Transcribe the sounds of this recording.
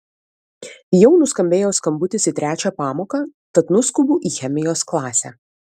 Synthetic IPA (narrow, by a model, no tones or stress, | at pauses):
jɛʊnʊskɐmʲbʲeːjoːskɐmbʊt̪ʲɪsit̪ʲɾʲæːt͡ʃʲæːpɑːmoːkɑːt̪ɐt̪nʊskʊbuːʔiːxʲɛmʲɪjoːsklˠɑːsʲæ